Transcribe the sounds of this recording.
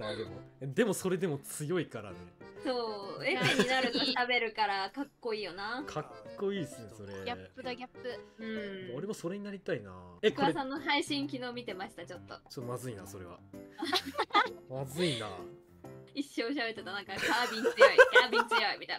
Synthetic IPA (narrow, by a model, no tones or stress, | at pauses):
ad̪emoed̪e̞mo̞so̞ɾe̞d̪e̞mo̞t͡sɨjo̞ikaɾa̰neso̞ːeeɲinaɾɯ̟k̪at̪abe̞ɾɯ̟kaɾakakːo̞iːjo̞naːkʰakːo̞iːsɨneso̞ɾe̞ɡʲaːɯd̪aɡʲapːɯɯ̟̃ɴmoɾemoso̞ɾe̞ɲ̟inaɾʲit̪aina̰ekɯasãnːo̞ɦaiɕĩŋk̬ʲino̞ːmʲit̪e̞maɕi̥t̪at͡ɕo̞t̪ːo̞̰t͡ɕot̪ːomazɨina̰so̞ɾe̞̰βa̰a | mazɨina̰ | iɕːooɕ̬abe̞t̪ːet̪anãŋkakaːbʲĩɲt͡sɨaikaːbʲĩɲt͡ɕɨjaimʲit̪an